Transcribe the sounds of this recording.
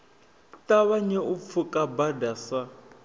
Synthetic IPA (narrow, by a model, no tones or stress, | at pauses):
taβaɲɛup̪fʰukʼabadasa